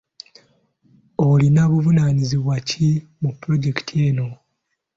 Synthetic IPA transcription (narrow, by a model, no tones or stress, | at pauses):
olinaβuvunaniziβwacimupːɾo̞ɟe̞ki̥tʰieno̞